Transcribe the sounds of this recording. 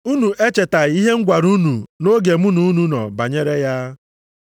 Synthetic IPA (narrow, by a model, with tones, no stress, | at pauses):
u˦nu˨ʔe˦t͡ʃe˨ta˨i˦ɦe˦ŋ̩˦ɡʷa˨ɾu˦nu˨no˦ɡe˨mu˦nu˨˦nu˨nɔ̰˨ba˨ɲe˦ɾe˦ja˦